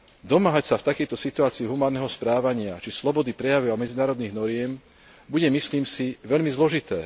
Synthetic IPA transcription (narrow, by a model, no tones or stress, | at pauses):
d̪ɔmaːɦacsaft̪akɛjt̪ɔsit̪uaːt͡siiɦumaːnːɛːɦɔspɾaːʋaɲɪat͡ʃislɔbɔd̪ipɾɛjaʋiamɛd͡zinaːɾɔd̪niːɣnɔɾɪɛm | buɟɛmisliːmsiʋɛʎmizlɔʒit̪ɛː